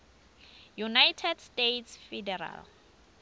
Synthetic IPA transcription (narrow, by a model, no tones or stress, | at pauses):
junajtʰɛdstetʰsfɛdɛra̰l